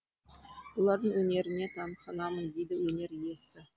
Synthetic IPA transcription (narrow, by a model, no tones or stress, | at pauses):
b̥olˠɑɾd̪əɴwɵne̞ɾɪne̞t̪ʰɑnsɑnɑmənd̪ejd̪ɪwɵne̞ɾije̞sɪ